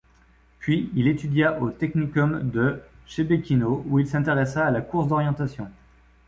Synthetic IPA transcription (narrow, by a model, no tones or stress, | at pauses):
pɥiilet̪yd̪jaʔot̪ɛknikɔmd̪əʃebekʲinouilsɛ̃t̪eʁɛsaːlakuʁsd̪ɔʁjɑ̃t̪asjɔ̃